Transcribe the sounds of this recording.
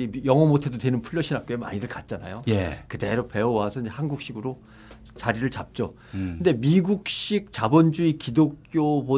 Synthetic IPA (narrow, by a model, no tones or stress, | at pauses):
ijʌŋʌmotʰe̞dotwe̞nɯnpʰuʎːʌɕʰinɦak̚k͈joema̰ɲidɯɭkat̚t͡ɕ͈ana̰joekɯde̞ɾope̞owasʰʌiɲd͡ʑehanɡuk̚ɕ͈iɡɯɾo | t͡ɕaɾiɾɯɭt͡ɕap̚t͡ɕ͈o | kɯnde̞miɡuk̚ɕ͈ik̚t͡ɕabond͡ʑuikidok̚k͈jobo